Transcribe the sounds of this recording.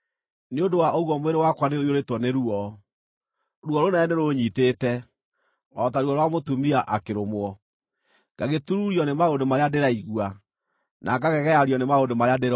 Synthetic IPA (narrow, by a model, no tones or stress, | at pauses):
neodowaoɣwɔmweɾewakwaneojoɾetwɔneɾuɔ | ɾuɔɾonɛɛneɾoɲiteːtɛ | ɔtaɾuɔɾwamotumiaʔakeɾomwɔ | ɡ̥aɣetuɾuɾjɔnemaondomaɾeadeɾaiɣua | nʔaɡaɣɛɣɛaɾiɔnemaondomaɾeadeɾ